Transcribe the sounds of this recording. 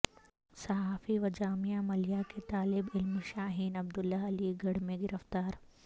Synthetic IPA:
sɐɦaːfiʋɐd͡ʒaːmijamɐljaket̪aːlɪbɪlmʃaːɦiːnɐb̚d̪ʊlːaɐliɡɐɽ̤mẽɡɪɾəft̪aːɾ

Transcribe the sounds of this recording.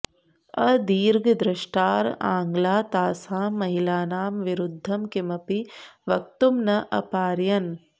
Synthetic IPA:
ɐd̪iːɾɡɐd̪ɾɐʃʈaːɾa̰ːŋɡlaːt̪aːsaːmɐɦilaːnaːmʋiɾud̪ʱːɐmkimɐpiʋɐk̚t̪umnɐʔɐ̰paːɾjɐn

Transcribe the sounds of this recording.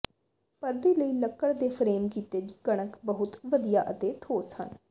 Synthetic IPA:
pəɾd̪eːləiːləkːəɽd̪eːpʰɾeːmkiːt̪eːd͡ʒɡəɽ̃əkbəɦʊt̪ʋəd̪ijaːʔət̪eːʈʰoːshə̰n

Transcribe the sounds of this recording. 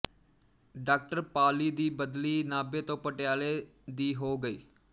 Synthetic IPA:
ɖaːk̚ʈəɾpaːliːd̪iːbəd̪liːnaːbeːt̪õːpəʈɪjaːleːd̪iːɦoːɡəiː

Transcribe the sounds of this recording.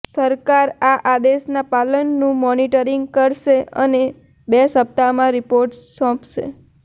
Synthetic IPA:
səɾkaɾaʔad̪eʃnapalənːũmɔniʈəɾiŋɡkəɾʃeə̰ne | besəp̚t̪amãɾipoɾʈsɔ̃pʃḛ

